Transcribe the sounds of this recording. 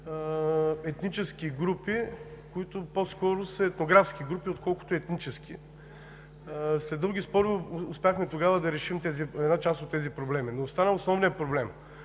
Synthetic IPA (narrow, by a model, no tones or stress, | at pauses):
ɛt̪nit͡ʃɛskiɡɾupikoit̪ʊposkɔɾʊsəɛt̪noɡɾafskiɡɾupiot̪kɔlˠkʊ̥t̪ʊɛt̪nit͡ʃɛskʲi | slɛd̪əɡʲispɔɾiʊspʲjaxmɛt̪oɡavɐd̪ɐɾɛʃimt̪ɛziɛd̪nat͡ʃast̪ot̪ːɛzipɾoblɛminost̪anəosnɔvnijɐpɾoblɛm